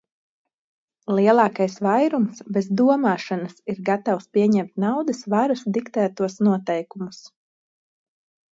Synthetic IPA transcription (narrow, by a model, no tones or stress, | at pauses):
lˠiɛlˠɑːkajsvajɾumsbɛzd̪uɔmaːʃanasiɾɡat̪awspʲiɛɲɛmt̪nawd̪ɨsvaɾusd̪ikt̪æːt̪uɔsnuɔt̪ɛjkumus